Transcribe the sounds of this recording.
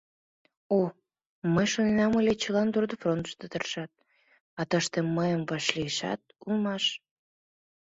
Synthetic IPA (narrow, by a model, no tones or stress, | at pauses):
o | məjʃonenɑməlʲet͡ɕəlɑnd̪ord̪əfront̪ə̥ʃt̪ət̪ərʃɑt̪̚ | ɑt̪əʃt̪emːəjəmvɑʃliəʃɑ̰t̪̚ulmɑʃ